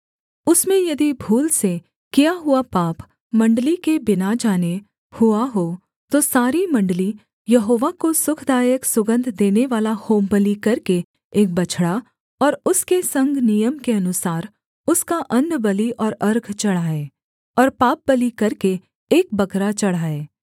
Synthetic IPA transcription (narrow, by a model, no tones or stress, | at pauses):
ʊsmẽjɐd̪ibʱuːlse | kijaɦʊapaːp | mɐ̃ɳɖlikebɪnad͡ʒaːne | hʊaɦo | t̪osaːɾimɐ̃ɳɖəli | jɐɦoːʋakosʊkʰd̪aːjəksʊɡə̃nd̪ʱd̪eːneʋaːlahoːmbəlikɐɾkeː | k̚bɐt͡ʃʰɽa | ɔːɾʊskesɐ̃ŋɡʱnijəmkeɐnʊsaːɾ | ʊskaʔɐ̃nd̪bɐliʔɔːɾɐɾɡʱt͡ʃɐɽ̤aːeː | ɔːɾpaːp̚bɐlikɐɾkeː | k̚bɐkɾat͡ʃɐɽ̤aːeː